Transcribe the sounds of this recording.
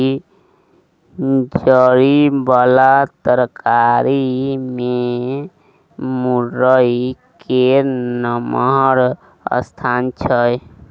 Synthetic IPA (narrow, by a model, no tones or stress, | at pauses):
d͡ʒəɾibalat̪əɾkaɾime | muɾəikenəməɦɾ | ə̰st̪ʰant͡ʃʰəj